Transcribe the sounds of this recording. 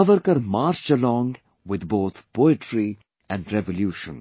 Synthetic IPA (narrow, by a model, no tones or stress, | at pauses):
ʌʋəɾkəɾmaːɾt͡ʃəlɔ̃ːŋɡ | ʋɪd̪boːt̪ʰpoːɪʈʰɾi | ɛ̃ɳɖɾɛʋoljuːʃə̰̃n